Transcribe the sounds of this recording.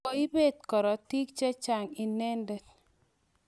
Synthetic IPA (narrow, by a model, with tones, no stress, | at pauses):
o˦i˦be˦˨t̪̚kɔ˨ɾɔ˨ti˦k̚t͡ʃe˦t͡ʃa˨ŋi˨nɛ˦ndɛ˨t